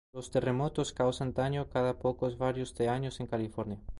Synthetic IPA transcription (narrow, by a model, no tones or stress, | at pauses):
ost̪eremot̪oskawsand̪aɲokaðapokozβaɾjozðeaɲoseŋkalifoɾnja